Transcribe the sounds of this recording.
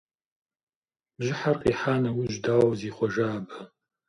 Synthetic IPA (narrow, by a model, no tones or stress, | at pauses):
b̥ʒʷɪħarqʼiħanɐwiʒʷdawziχʷɔʒaːba